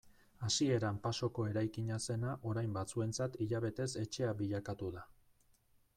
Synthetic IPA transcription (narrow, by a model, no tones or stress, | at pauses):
asie̞ɾampaso̞ko̞e̞ɾajkiɲase̞naʔo̞ɾajmbat͡sue̞nt͡sat̪iʎaβe̞t̪e̞se̞t͡ʃe̞aβiʎakat̪uða